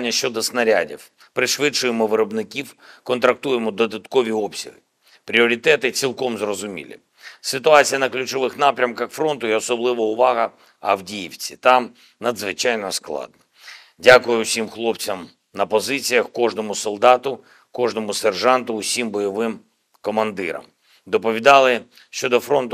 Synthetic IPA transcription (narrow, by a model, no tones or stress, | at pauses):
nʲːɐʃt͡ʃɔd̪ɔsnɐɾʲa̰dʲḭw | pɾɪʃʋɪt͡ʃʊjemɔʋɪɾɔbnɪkʲiwkɔnt̪ɾɐk̚t̪ujemɔd̪ɔd̪ɐt̪kɔʋʲiɔpsʲɐ̰ɦɪ | pɾʲiɔɾʲit̪ɛt̪ɪt͡sʲilˠkɔmzrɔzʊmʲḭlʲḭ | sɪt̪ʊɑt͡sʲijɐnɐklʲʊt͡ʃɔʋɪxnɑpɾʲɐmkɐxfɾɔnt̪ʊjɛɔsɔblˠɪʋɐʊʋɑɦɐ | ɐwdʲijiwt͡sʲit̪ɑm | nɐd̪zʋɪt͡ʃɑjnɔsklˠɑ̰d̪̚nɔ | dʲakʊjʊsʲimxlˠɔpt͡sʲɐm | nɐpɔzɪt͡sʲijɐxkɔʐnɔmʊsɔlˠd̪ɑt̪ʊ | kɔʐnɔmʊserʒɑnt̪ʊːsʲimbɔjɔʋɪm | kɔmɐnd̪ɪ̰ɾɐ̰m | d̪ɔpɔʋʲid̪ɑlˠɪ | ʃt͡ʃɔd̪ɔfɾɔnt̪ʊ